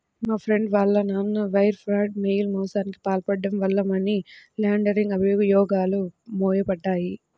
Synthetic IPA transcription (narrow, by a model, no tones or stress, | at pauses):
maːpʰɾe̞ɳɖʋaːɭːɐnaːnːuʋɐjɾpʰɾaːɖ̚mejlmɔːsaːniki̥paːlpɐɖːɐmʋɐlːɐmɐnilaːɳɖɐɾiŋɡɐbʱijuɡɐjɔːɡaːlumoːjɐpɐɖːaːji